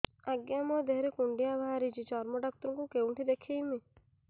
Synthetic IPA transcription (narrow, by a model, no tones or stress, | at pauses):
aɡjamɔd̪eɦɾekuɳɖijaʋaːɾid͡ʒit͡ʃɔɾmɔɖɔk̚t̪ɾũŋkũkeuɳʈʰid̪ekʰejmi